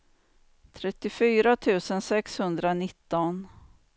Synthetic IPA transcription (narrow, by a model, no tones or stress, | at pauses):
t̪ʰɾɛt̪ːɪfyːɾat̪ʰʉ̟ːsənsɛkshɵnd̪ɾanɪt̪ːɔn